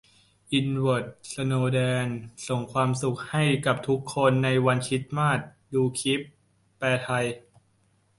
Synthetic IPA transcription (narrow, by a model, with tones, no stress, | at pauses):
ʔi˧nwɤ˨˩t̪̚sa˧noː˧dɛː˧nso˨˩ŋkʰwaː˧msu˨˩k̚ha˥˩jka˨˩p̚t̪ʰu˦˥kʰːo˧nːa˧jwa˧nt͡ɕʰi˦˥t̪̚maː˥˩t̪̚ | juː˧kʰi˦˥pː | ɛː˧t̪ʰa˧j